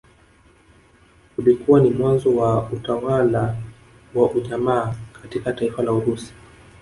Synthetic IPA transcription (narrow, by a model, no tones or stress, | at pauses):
kulikuwanimwanzɔwautawala | waʔuʄamaːkatikataifalauɾusi̥